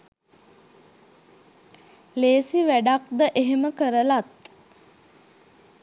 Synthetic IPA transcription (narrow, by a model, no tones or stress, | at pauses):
leːsiʋæɖak̚d̪əʔeɦeməkəɾəlat̪